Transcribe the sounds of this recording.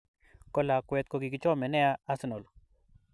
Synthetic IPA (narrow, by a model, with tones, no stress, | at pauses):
kɔ˦la˨kwɛ˨t̪̚kɔ˨ɡi˨kɪ˨t͡ʃɔ˦mɛ˨nɛ˦a˦a˦sɪ˦nɔ˨l